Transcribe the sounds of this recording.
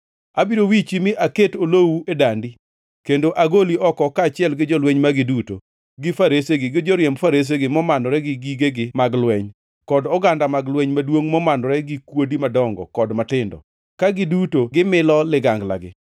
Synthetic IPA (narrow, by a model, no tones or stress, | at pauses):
abiɾowit͡ʃimiʔaketolowuedandi | kendoʔaɡoliʔɔkɔkat͡ʃɪɛlɡɪd͡ʒɔlweɲmaɡɪduto̰ | ɡɪfaɾeseɡɪɡɪd͡ʒɔɾjɛmfaɾes̬eɡɪmɔmandɔɾɛɡɪɡiɡeɡɪmaɡlwɛɲ | kɔdɔɡandamaɡlwɛɲmadwoŋmɔmandɔɾɛɡɪkwodimadɔŋɡɔ̰kɔdmatɪndɔ̰ | kaɡɪdutoɡɪmɪlɔlɪɡaŋɡla̰ɡɪ̰